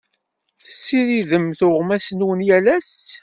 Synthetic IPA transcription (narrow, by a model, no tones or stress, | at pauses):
θəsːiɾiðəmθʊʁmæsnwənjælæs